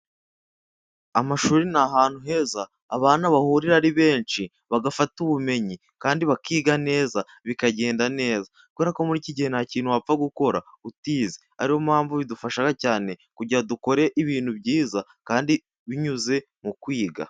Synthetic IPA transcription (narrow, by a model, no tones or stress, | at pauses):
amaʃuːɾinaɦaːn̥huɦe̞zaː | βaːnaβahuːɾiɾaɾiβe̞ːnt͡ʃi | βaɡafatuβume̞ɲi | kaːndiβakiːɡane̞ːza | βikaɟe̞ːndane̞ːza | kuβe̞ːɾako̞muɾiːciɟihenaciːn̥huwap͡faɡuko̞ɾa | utiːzea̰ɾiho̞mhaːɱvuβidufaʃaɡacaːne̞kuɟiɾaduko̞ɾe̞ʔiβiːn̥hubɟiːzakaːndi | βiɲuze̞ | mukwiːɡa̰